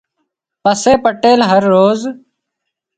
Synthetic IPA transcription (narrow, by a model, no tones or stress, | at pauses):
pəseːpəʈeːlɦəɾːoːz